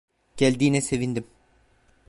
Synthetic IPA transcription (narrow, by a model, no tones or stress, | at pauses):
ɟ̥ælʲd̪iːnɛse̞vind̪im